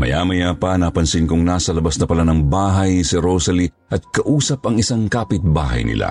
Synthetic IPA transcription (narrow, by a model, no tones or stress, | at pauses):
mɐ̰jaːmɐjapɐnapɐnsɪnkʊŋnaːsɐlɐbasnɐpɐlanɐŋbaːɦɐjnsiɾosɐli | ʔɐt̪̚kɐʔuːsɐpɐŋɪsaŋkaːpɪt̪̚ba̰ːɦɐ̰jnɪ̰lʔa̰